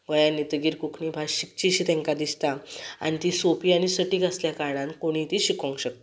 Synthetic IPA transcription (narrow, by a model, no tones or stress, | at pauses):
ɡəjanːit̪əɡiːɾkukʰɳibʱaɕik̚t͡ɕiɕit̪ɛ̃ŋkad̪ist̪aa̰ñit̪isopiañisəʈikasljakaɽãnkoɽ̃it̪iɕikõŋkɕək̚t̪e